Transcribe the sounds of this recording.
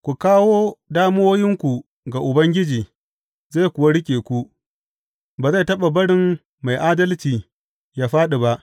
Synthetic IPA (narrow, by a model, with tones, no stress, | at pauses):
kʷu˨kaː˦woː˦daː˦m˦oː˦jɪ˦ŋkʷu˨ | ɡa˨ʔʊ˨bɐ˦ŋɡʲɪ˦d͡ʒiː˨ | za˦˨kʷʊ˨wa˦ɽɪ˦kʲʼeː˨kʷu˦ʔ | baː˨za˦˨tɐ˦ɓa˨bɐ˦ɽɪ˨mː | a˨jʔaː˦dɐ˦lt͡ʃiː˨ | jaː˦ɸaː˦ɗe˨ba˦ʔ